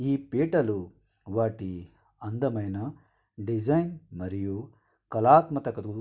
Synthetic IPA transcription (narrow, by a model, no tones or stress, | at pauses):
iːpeːʈɐlu | ʋaːʈi | ɐnd̪ɐmɐjnɐ | ɖid͡ʒɐjnmɐɾiju | kɐlaːt̪mɐt̪ɐkɐd̪u